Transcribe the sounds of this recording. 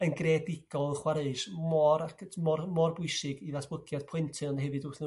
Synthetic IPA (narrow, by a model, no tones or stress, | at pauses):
ənɡrɛdɪɡ̥ɔlˠχwaɾeɨʃmɔɾakʰəmɔrmɔrbʊɨsɪɡiðasb̥lˠəɡjad̥pʰɪntʰɨlˠnɦɛvɨdʊθnə